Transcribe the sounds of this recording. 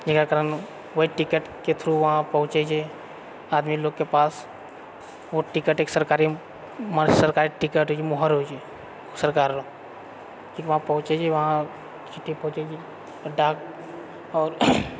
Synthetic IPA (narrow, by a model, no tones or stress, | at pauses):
d͡ʒekakəɾən | ʋɐɦiʈɪkəʈket̪ʰɾuʋɐɦãpəɦʊ̃t͡ʃed͡ʒʰe | aːd̪miloːɡkepaːs | ʋoʈɪkəʈeːksəɾkaːɾi | masəɾkaːɾiʈɪkəʈɦoːd͡ʒimoɦəɾɦod͡ʒe | səɾkaːɾɾ | kʰiːkʋɐɦãpɐɦʊ̃t͡ʃed͡ʒeʋɐɦã | t͡ʃɪʈʰːipɐɦʊ̃t͡ʃed͡ʒi | ɖaːk̚ | ɔːɾ